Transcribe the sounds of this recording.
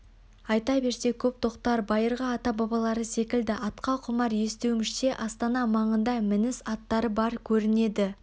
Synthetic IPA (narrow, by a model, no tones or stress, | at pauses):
ɑjt̪ɑbe̞ɾse̞kʲʰɵp̚t̪ʰo̞qt̪ɑɾbɑjəɾʁɑːt̪ɑbɑbɑlˠɑɾəse̞kʲɪld̪ɪʔɑt̪qɑqʰʊmɑɾje̞st̪ewmɪʃt̪e̞ʔɑst̪ɑnɑmɑɴənd̪ɑmɪnɪsɑt̪ːɑɾəbɑɾkʲʰɵɾɪne̞d̪ɪ